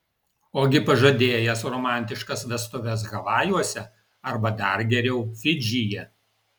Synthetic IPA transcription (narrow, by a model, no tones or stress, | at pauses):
oːɡʲɪpɐʒɐd̪ʲeːjɛsɾɔːmɑˑnʲt̪ʲɪʃkɐsʋʲɛst̪ʊʋʲɛs̬ɣɐʋɑːjuɔsʲɛ | ɐɾbɐd̪ɐɾɡʲɛɾʲɛʊfʲɪd͡ʒʲɪjɛ